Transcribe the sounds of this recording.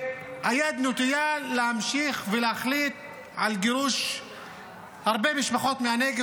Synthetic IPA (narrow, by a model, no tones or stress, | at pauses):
hajad̪not̪ijalehamʃiχveleaχlit̪ | ʕalɡiʁuʃ | haʁbemiʃbaχo̞t̪meaneɡe